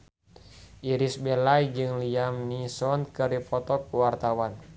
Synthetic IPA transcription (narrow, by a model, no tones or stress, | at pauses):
ʔiɾisbɛlajd͡ʒɨŋliamnisɔnkɨɾipɔt̪ɔk̚uwart̪awan